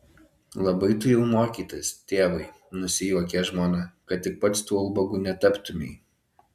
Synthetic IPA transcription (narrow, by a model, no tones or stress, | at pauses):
lˠɐbɐɪt̪ʊjɛʊmoːkʲiːt̪ɐsʲt̪ʲeːʋɐɪ | nʊsʲɪjuɔkʲɛʒmoːnɑkɐt̪̚t̪ːʲɪk̚pɐt̪st̪uːɐlˠbɐɡuːnʲɛt̪ɐpt̪ʊmʲeː